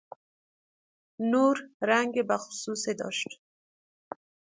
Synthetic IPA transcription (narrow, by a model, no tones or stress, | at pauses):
nuɾɾaŋɡebaxʊ̥sused̪ɔ̰ʃt̪